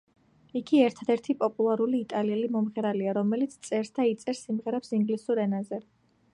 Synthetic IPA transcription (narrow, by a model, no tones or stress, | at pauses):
iɡiɛɾt̪ʰad̪ɛɾt̪ʰipʼɔpʼulˠaɾuliːt̪ʼaliɛlimɔmʁɛɾaliaɾɔmɛlit̪sʰt̪sʼɛɾsd̪ait̪sʼɛɾsimʁɛɾɛpsiŋɡlisuɾɛnazɛ